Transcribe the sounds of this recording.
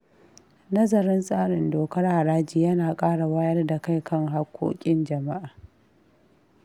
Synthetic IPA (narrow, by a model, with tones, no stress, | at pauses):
nɐ˦zɐ˨ɾɪ˦nsʼaː˦ɽɪ˨ndoː˨kɐ˦rha˨ɽaː˦d͡ʒiː˨jɐ˦naː˨kʼaː˦ɽa˨waː˦jɐ˦rda˨ka˦˨jkʰɐ˦ŋɦa˦kʷʰːo̰ː˦kʲʼɪ˦nd͡ʒɐ˨ma˦ʔaː˨